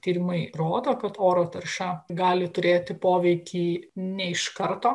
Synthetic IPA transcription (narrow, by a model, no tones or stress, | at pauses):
t̪ʲiːɾʲɪmɐɪroːd̪oːkɐt̪oːɾoːt̪ɐɾʲʃʲɛɡɑːlʲɪt̪ʊɾʲeːt̪ʲɪpoːʋʲɛɪkʲiːnʲɛɪʃkɐɾt̪oː